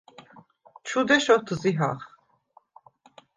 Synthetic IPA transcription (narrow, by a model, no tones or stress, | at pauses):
t͡ʃʰud̪ɛʃɔt̪ʰɨziɦa̰χ